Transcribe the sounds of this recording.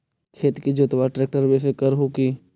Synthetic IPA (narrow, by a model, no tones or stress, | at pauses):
kʰeːt̪kid͡ʒoːt̪ʋaʈɾeːk̚ʈəɾbesekəɾɦoki